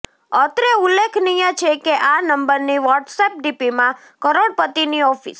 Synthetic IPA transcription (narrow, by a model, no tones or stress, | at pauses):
ət̪ɾeulːekʰnijãt͡ʃʰekeʔanəmbəɾniʋɔʈsep̚ɖipimã | kəɾoɽpət̪iniɔfḭs